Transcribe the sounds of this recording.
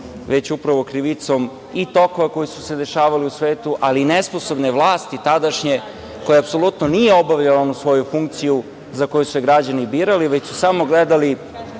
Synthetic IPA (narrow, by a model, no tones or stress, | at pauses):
ʋe̞t͡ɕupɾaʋokɾiʋit̪so̞m | it̪o̞koʋako̞jisu̥se̞d̪e̞ʃaːʋaliusʋeːt̪uʔalinesposo̞bneʋlˠaːst̪it̪ad̪aʃɲe | kojaapso̞lut̪nonijeo̞baʋʎalonusʋo̞jufuŋkt̪siju | zako̞jusueɡɾad͡ʑanibiːɾaliʋet͡ɕsusamo̞ɡled̪ali